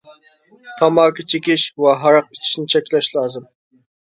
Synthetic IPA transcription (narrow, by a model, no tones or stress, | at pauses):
t̪ʰɑmɑːkʰit͡ʃʰekʲiʃwɛɦɑɾɑq̚i̥t͡ʃʰi̥ʃnɪt͡ʃʰɛkʲlɛʃlˠɑːzɨm